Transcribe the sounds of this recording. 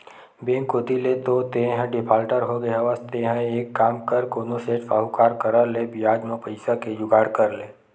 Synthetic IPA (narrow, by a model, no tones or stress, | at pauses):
bẽːŋkod̪ilet̪ot̪ẽɦə̃ɖɪpʰaːlʈəɾɦoɡəjaʋəst̪eɦə̃eːkːaːmkəɾkonoseːʈfaːɦukaːɾkəɾəlebɪjaːd͡ʒ̪mẽpəɪsakejʊɡaːɽkəɾleː